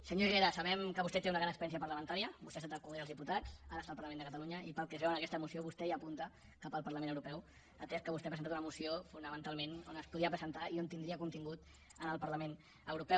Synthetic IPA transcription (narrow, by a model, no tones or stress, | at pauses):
səɲoiɣeɾəsɐβɛmkəβust̪ɛt̪eunəɣɾanəkspɾɛnsiəpəɾləmənt̪aɾiəbust̪ɛast̪at̪əkumðeəlzðiput̪ad͡zaɾəst̪alˠpɐɾləmend̪əkət̪aluɲəipəlˠkɛzβɛwənəkɛst̪əmusioβust̪ɛiapunt̪ə | kapəlˠpəɾləmẽnəwɾupɛw | ət̪ɛst̪kəβust̪ɛapɾənt̪at̪unəmusiofunəmənt̪alˠmenonəspuðiəpɾəzənt̪aiont̪ind̪ɾiəkunt̪iŋɡut̪ | ənəlˠpɐɾləmen | əwɾupɛw